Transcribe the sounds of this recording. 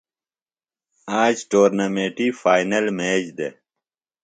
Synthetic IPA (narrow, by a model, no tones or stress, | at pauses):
aːd͡ʑʈoːɾnɐmeːʈifaːinɐlmeːd͡ʑd̪e